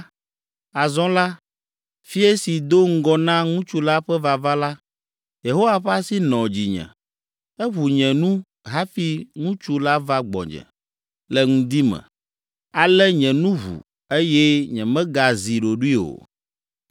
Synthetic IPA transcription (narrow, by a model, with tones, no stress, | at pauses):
a˨zɔ̃˦la˦ | fi˦e˦si˨d̪o˦ŋ̩˦ɡɔ˦nã˦ŋũ˦t͡ʃu˦la˦ɸɛ˦va˨va˦la˦ | je˨ɦo˦wa˨ɸɛ˦a˦si˦nɔ̃˨d͡ʑi˨ɲɛ̰̃˨ | ɛ˦βu˨ɲɛ̃˨nũ˦ | ɦa˦fi˦ŋũ˦t͡ʃu˦la˦va˦ɡ͡bɔ̰̃˨ɲɛ̰̃˨ | lɛ˨ŋũ˦d̪i˦mɛ̰̃˨ | a˨lɛ˦ɲɛ̃˨nũ˦ɦṵ˨ | e˦jɛ˦ɲɛ̰̃˨mɛ̃˦ɡa˨zi˨ɖo˨ɖu˦i˦o̰˨